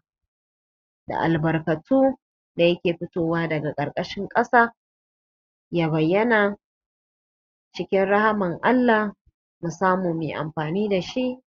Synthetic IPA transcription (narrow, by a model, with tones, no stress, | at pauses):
da̰˨ʔa̰˨lbɐ˨rkɐ˨tuː˦ | da˨jɐ˦kʲeː˨ɸɪ˦toː˦waː˦dɐ˨ɡa˨kʼɐ˨ɾkʼɐ˦ʃɪ˦ŋkʼɐ˦saː˦ | jaː˦βɐ˨jːɐ˦na˨ | t͡ʃɪ˦kʲɪ˦nɽɐ˦ha˦mɪ˨ŋʔa˦lːa˨ | mu˨saː˦moː˨meː˨ʔa̰˨mɸaː˨niː˦da˨ʃi˦ʔ